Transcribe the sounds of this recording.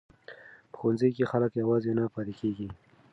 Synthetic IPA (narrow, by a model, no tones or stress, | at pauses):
pə̥xonzəjkexaləkjawɑzenapɑɾekeɡi